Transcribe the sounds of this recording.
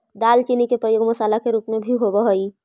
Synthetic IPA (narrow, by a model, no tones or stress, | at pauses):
d̪aːlt͡ʃinikepɾəjoːɡmɐsaːlakeɾuːpmebʱiɦobəɦoi